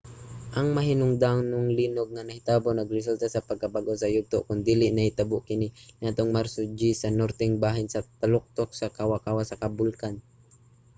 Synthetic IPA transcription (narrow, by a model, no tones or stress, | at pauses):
ʔɐŋmɐɦɪnʊŋd̪anʊŋlinoɡ̚ŋanɐhɪt̪abonɐɡɾɪs̬ult̪asɐpɐɡ̚kabaɡowsɐjʊɡ̚t̪oʔkʊnd̪iːlɪʔnɐhɪt̪abʊʔkɪninaːt̪oŋmaɾsʊd͡ʒisɐnɔɾt̪ɛŋbaːɦɪnsɐt̪alʊk̚t̪ok̚sakawakawasɐkɐbʊlkan